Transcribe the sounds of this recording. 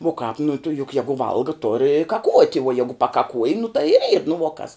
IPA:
uɔ kɑːp nʊ tʊ jʊk ˈjæːɡʊ ˈʋɐlˠɡɐ toːr ɪ kɐˈkuɔtʲ uɔ ˈjæːɡʊ pɐkɐˈkuɔj nʊ tɐɪ ɪr iːr nʊ ʋuɔ kɐs

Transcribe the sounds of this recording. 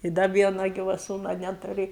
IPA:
ɪ ˈdɐ ˈʋʲiɛnɐ ˈɡʲiːʋɐ ˈsuːnɐ ˈnʲæːtʊrʲɪ

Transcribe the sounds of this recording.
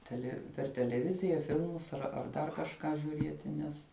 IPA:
ˈtʲæːlʲɛ pʲɛr tʲɛlʲɛˈʋʲɪzʲɪjɛ ˈfʲɪlˠmʊs ɐr ɐr ˈdɐr kɐʃˈkɑː ʒʲuːˈrʲiɛtʲɪ ˈnʲɛs

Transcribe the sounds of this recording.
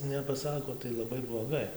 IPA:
nʲɛpɐˈsɑːkoː tɐɪ lˠɐˈbɐɪ blˠoːˈɡɐɪ

